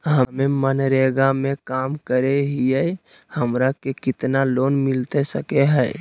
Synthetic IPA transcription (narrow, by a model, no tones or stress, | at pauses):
ɦəmemənɾeɡamẽkaːmkəɾeɦiɛ | həmɾakekɪt̪naloːnmɪlt̪esəkeɦɛː